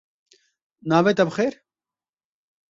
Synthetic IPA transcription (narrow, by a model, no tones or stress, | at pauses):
naːʋet̪ɐbxeːɾ